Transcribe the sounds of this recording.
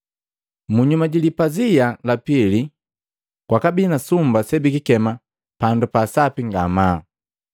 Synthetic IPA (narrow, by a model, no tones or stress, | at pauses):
muɲumaɟilipazijalapili | kwakabinasumbasɛbikikɛma | pandupasapiŋɡama